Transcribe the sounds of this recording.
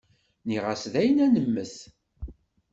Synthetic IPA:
niʁæsðæjənænəmːəθ

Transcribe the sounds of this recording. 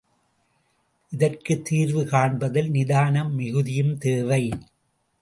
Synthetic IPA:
ʔɪðɐrkɯt̪ːiːɾʋɯkaːɳbɐðɪlnɪðaːnɐmːɪɣɯðɪjɯmt̪eːʋɐɪ

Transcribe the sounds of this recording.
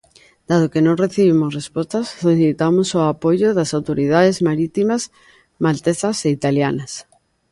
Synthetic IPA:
d̪̥að̞okenõŋreθiβimosrespost̪asːoliθit̪amosoapojoðasawt̪oɾið̞aðezmaɾit̪imaz | malt̪eθaseit̪aljanas

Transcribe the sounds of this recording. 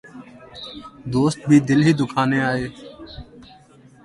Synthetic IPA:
d̪oːst̪̚bʱiːd̪ɪlɦiːd̪ʊkʰaːneːaːɦeː

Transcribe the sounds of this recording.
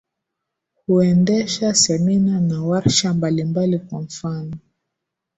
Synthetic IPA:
huɛndɛʃasɛminanawaɾʃambalimbalikwaɱ̩fanɔ

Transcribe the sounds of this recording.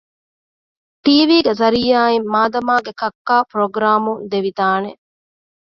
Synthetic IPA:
ʈiːʋiːɡezɐɾiːaːimːaːd̪ɐmaːɡekɐkːaːpɾoɡɾaːmund̪eʋid̪aːne

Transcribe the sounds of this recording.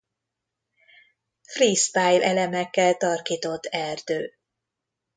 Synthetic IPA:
friːst̪aːjlʔɛlɛmɛkːɛlt̪ɒrkiːt̪o̞t̪ːɛrd̪øː

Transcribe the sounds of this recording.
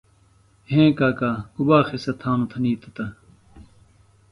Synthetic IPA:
ɦẽːkaːkaːhubaːxisɐt̪ʰaːnut̪ʰɐniːt̪ɐt̪ɐ

